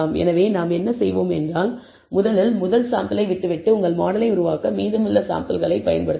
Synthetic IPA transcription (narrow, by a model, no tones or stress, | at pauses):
mɛ̰nɐʋeːnaːmɛnːɐsɛjʋoːmɛndraːl | mʊðɐlɪlmʊðɐlsaːmpɪlɐɪʋɪʈːɯʋɪʈːɯʊŋɡɐɭmaːɽɐlɐɪʊɾʊʋaːkɐmiːðɯmɯlːɐsa̰ːmpɐlɣɐɭɐɪpɐjɐnpɐɽɯt̪ː